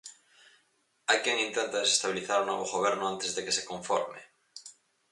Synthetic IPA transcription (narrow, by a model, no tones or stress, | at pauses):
ajkjeŋĩnt̪ent̪aðesest̪aβiliθaɾonoβoɣoβ̞ɛɾnoant̪ezðekesekõɱfo̰ɾmḛ